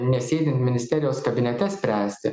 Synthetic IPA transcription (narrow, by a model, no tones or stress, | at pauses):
nʲɛsʲeːd̪ʲɪnt̪ʲmʲɪnʲɪsʲt̪ʲɛːɾʲɪjoːskɐbʲɪnʲɛt̪ʲɛsʲpʲɾʲæːsʲt̪ʲɪ